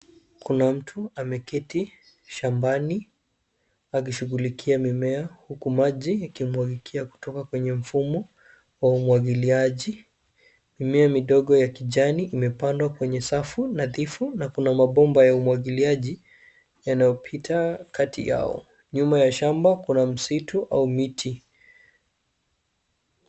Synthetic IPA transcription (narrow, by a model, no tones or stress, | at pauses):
kunam̩tʰuamɛkɛti | ʃambani | ak̬iʃuɣulikʰiamimɛahukumaʄijakimwaɡikʰiaku̥tɔkakwɛɲɛm̩fumɔ | waumwaɠiliaʄi | mimɛamiɗɔɠɔjakiʄaniʔimɛpandwakwɛɲɛsafunaðifunakunamaɓɔmbajaumwaɠiliaʄi | janajɔpʰitʰakatʰḭja̰ɔ̰ | ɲumajaʃambakunam̩situʔa̰umitʰi